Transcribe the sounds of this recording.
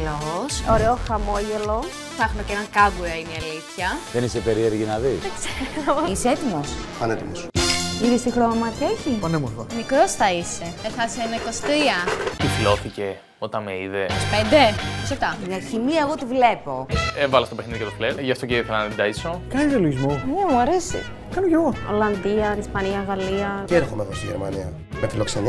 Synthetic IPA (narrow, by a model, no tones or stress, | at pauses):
losoɾeoxɐmo̞ʝe̞lo̞ | θɐxumecenɐŋkɐɡuɐiniɐliθçɐðenisepeɾieɾʝinɐðiðekzeɾoiseet̪imo̞sfɐnet̪imosiðist̪ixɾomɐt̪io̞çiponemoɾθomikɾo̞sθɐise̞meθɐseenɐiko̞si̥t̪ɾiɐt̪iflo̞θice̞ | o̞t̪ɐnmeiðe̞ospend̪eosɐft̪ɐmɲɐçimiɐeɣo̞t̪ivle̞po̞evɐlost̪opexniðikɐt̪opleʝɐft̪oceiθelɐnt̪id̪ɐiso̞kɐniðeloʝizmonemuɐɾe̞sḭ | kɐnoceɣoo̞̰lɐnd̪iɐnispɐniɐɣɐliɐceɾxomeðost̪iʝeɾmɐ̰niɐ̰ | mefilokseni